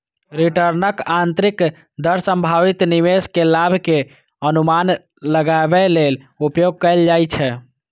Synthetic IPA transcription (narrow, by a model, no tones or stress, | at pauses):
ɾiʈəɾnəkant̪ɾik | d̪əɾsəmbʱaʋit̪niʋeskelabʱke | ənuman | ləɡaebɛlel | upjoɡ̚kəld͡ʒajt͡ʃʰɛ